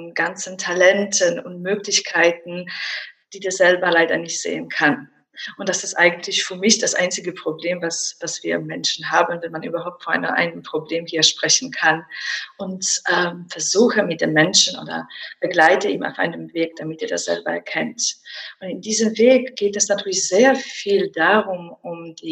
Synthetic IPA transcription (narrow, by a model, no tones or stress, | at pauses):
nɡ̥ant͡sn̩tʰalɛntʰənʊ̰ntmøːklɪçkʰaɪtn̩d̥iːdeːɐzɛlbɐlaɪdɐnɪçtz̥ḛːənkʰan | ʔʊntd̥asɪstʔa̰ɪɡŋ̩n̩tʰlɪçfyːɐmɪçd̥asʔa̰ɪnt͡sɪɡəpʁ̥obleːmvasv̥asv̥iːɐmɛnʃn̩ɦaːbn̩vɛnmanʔyːbɐɦaʊp̚tfɔna̰ɪnəʔa̰ɪnəəmpʁ̥obleːmhiːɐʃpʁ̥ɛçn̩kʰanʔʊntʔɛːmfɛɐzuːxəmɪt̚d̥eːmːɛnʃn̩ʔo̰ːdɐ̰b̥əɡlaɪtəiːma̰ʊfʔa̰ɪnəmveːk̚d̥amɪtiːɐda̰sz̥ɛ̰lbɐɛ̰ɐkʰɛntʔʊntɪndiːzəmveːkɡ̥eːtɛsnatʰyːɐlɪçz̥eːɐfiːldaʁʊmʊmd̥iː